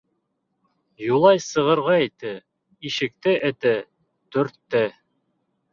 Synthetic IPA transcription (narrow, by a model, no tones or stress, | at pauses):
julˠɑjsɤ̆ʁɤ̆ɾʁɑit̪ɘ | iʃɘ̆k̚t̪ɘʔɘ̆t̪ɘ | t̪ɵ̆ɾt̪ːɘ